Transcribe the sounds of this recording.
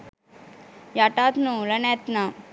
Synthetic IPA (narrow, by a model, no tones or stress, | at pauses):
jaʈat̪nulɐnet̪na